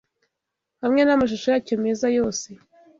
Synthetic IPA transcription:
hamŋe̞namaʃ̬uʃojacomizajo̞ːse̞

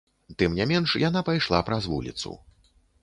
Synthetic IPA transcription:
t̪ɨmnʲɛmʲɛnʂjan̪apajʂlˠa̰pɾɐzvṵlʲḭt̪sṵ

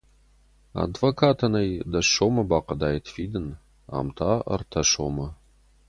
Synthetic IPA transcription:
a̰dvokʰaːtʰɐnɐjdɐoːmɐbaːqɐdaːjitʰfiːdɨn | a̰ːmtʰaːɐ̰rtʰɐɕoːmɐ

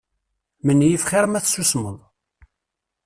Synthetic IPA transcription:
mənːjifχɪɾˤmæθsusməðˤ

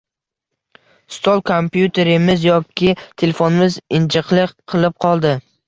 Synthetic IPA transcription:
st̪ʰolˠkʰompjut̪ʰe̞ɾɪmɪzjɒkʲʰːɪt̪ʰe̞lefonɪmɪzɪnt͡ʃʰɨqlˠɪqʰɨlˠɪp̚qʰɒlˠd̪ɪ

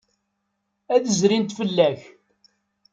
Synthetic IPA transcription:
æðəzɾint̪fəlːæç

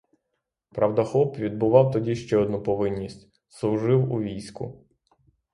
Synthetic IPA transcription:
pɾʔɐwd̪ɐxɔpʋʲid̪̚bʊʋɑwt̪ɔdʲiʃt͡ʃɛɔd̪nupɔʋɪnʲːisʲtʲ | slˠʊʒɪwuʋʲijsʲkʊ̰

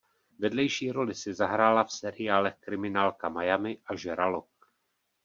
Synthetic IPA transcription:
vɛdlɛjʃiːɾo̞lɪsɪzaɦɾaːlafsɛɾɪjaːlɛxkɾɪmɪnaːlkamajamɪʔaʒɛɾalok̚

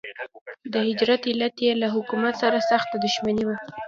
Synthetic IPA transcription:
d̪əhɪd͡ʒɾat̪ɪlat̪jelaɦʊkumat̪saɾasaxt̪ad̪ʊʃmaniwa

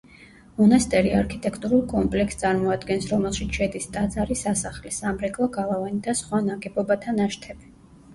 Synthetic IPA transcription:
mɔnast̪ʼɛɾiaɾkʰit̪ʼɛkʰt̪ʼuɾulˠkʼɔmpʼlɛkst̪sʼaɾmɔad̪ɡɛnsɾɔmɛlˠʃit̪sʃɛd̪ist̪ʼad̪zaɾisasaχlisamɾɛkʼlˠaɡalˠavanid̪asχwanaɡɛbɔbat̪ʰanaʃt̪ʰɛbi

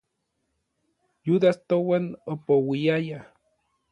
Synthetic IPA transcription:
juðast̪owanopowiaja

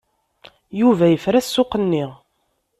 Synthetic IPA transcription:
juvæjəfɾæsːʊqənːiʁ

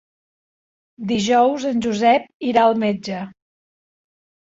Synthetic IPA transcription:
d̪iʒɔwzənʲʒuzɛp̚iɾaəlˠmed͡ʒə

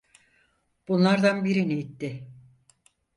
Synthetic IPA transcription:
b̥unlˠaɾd̪anbiɾinijit̪ːɪ

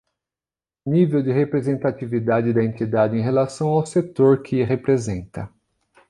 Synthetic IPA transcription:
nivewdɪɦepɾezẽnt̪at͡ʃivid̪ad͡ʒɪd̪ɐẽnt̪id̪ad͡ʒɪẽj̃ɦelasɐ̃w̃awset̪oɾkʰɪɦepɾezẽnt̪ɐ

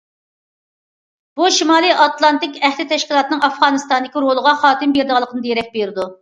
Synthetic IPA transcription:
b̥uʃimɑːlˠɨjʔɑt̪lˠɑnt̪ɪkʲæχlɪt̪ʰɛʃkʲilˠɑt̪ɨnɨŋɑfʁɑnɨst̪ɑnd̪ɪkʲiɾolˠəʁɑχɑːt̪ɨmbeɾd̪ɨʁɑlˠəqʰənɨd̪jeɾɛk̚ʲbeɾɪd̪u

